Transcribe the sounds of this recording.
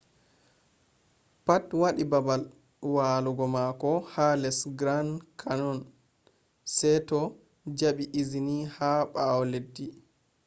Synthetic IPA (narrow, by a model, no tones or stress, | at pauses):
patwaɗibabal | waluɡɔmakɔhalɛsɡɾankʰanɔn | sɛjtɔ | d͡ʒaɓiʔizinihaɓawledːi